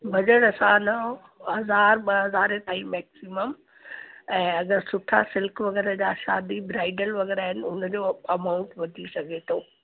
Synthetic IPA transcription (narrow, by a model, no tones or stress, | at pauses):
bɐd͡ʑəɽɐsãnɐ | ɦɐzaːɾɓɐɦɐzaːɾet̪aːimɛːksɪməm | ɛ̃ːɐɡəɾsʊʈʰa̰sɪlkʋɐɣɛːɾəd͡ʑaʃaːd̪ibɾaːɪɖəlʋɐɡɛːɾaːɦɪnɪ̆ʊnd͡ʑoːɐmaːʊ̃ɳʈʋɐd̪ʱisɐɡʱet̪ʰoː